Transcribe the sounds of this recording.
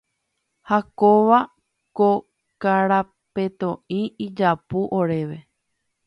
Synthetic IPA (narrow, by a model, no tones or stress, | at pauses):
hakoʋa | ko | kaɾa | pe̞t̪õĩid͡ʒapuʔoɾe̞ʋe̞